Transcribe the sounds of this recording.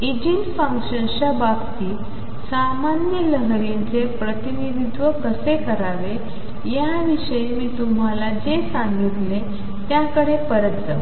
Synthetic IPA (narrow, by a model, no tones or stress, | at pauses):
id͡ʑinfəŋkɕənɕəbabt̪iː | samanjələɦɾint͡sepɾət̪inid̪id̪ʋəkəsekəɾaʋe | ja | ʋiɕəjmiːt̪um̤alad͡zesãŋɡit̪le | t̪jakəɽepəɾət̪̚d͡za̰ʋ